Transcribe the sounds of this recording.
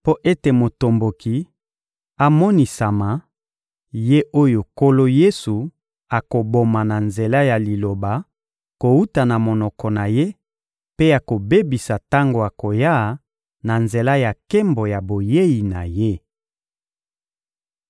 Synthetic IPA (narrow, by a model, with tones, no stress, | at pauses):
po˦ʔe˦te˨mo˨to˨mbo˨ki˨ | a˨mɔ˦ni˨sa˨ma˨ | je˦ʔo˦jo˨ko˦lo˦je˦su˨ | a˨ko˨bo˨ma˨na˨nze˨la˦ja˨li˨lo˨ba˨ | ko˨u˦ta˨na˨mo˨nɔ˨kɔ˨na˨je˦ | pe˦a˨ko˨be˦bi˨sa˨ta˦ŋɡo˨a˨ko˨ja˦˨ | na˨nze˨la˦ja˨kɛ˦mbo˨ja˨bo˨je˦ji˨na˨je˦